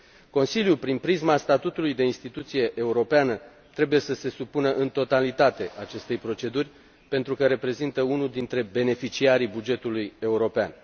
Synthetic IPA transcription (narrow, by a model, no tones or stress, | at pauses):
ko̞nsiljupɾinpɾizmast̪at̪ut̪ulujd̪e̞inst̪it̪ut̪sije̞ʔːuɾo̞peanə | t̪ɾe̞buje̞səse̞supunəʔɨnt̪o̞t̪alit̪at̪e̞ʔat͡ʃe̞st̪e̞jpɾo̞t͡ʃe̞d̪urʲ | pe̞nt̪ɾukəɾe̞pɾe̞zint̪əunuld̪int̪ɾe̞be̞ne̞fit͡ʃiaɾibud͡ʒe̞t̪uluje̞uɾo̞pean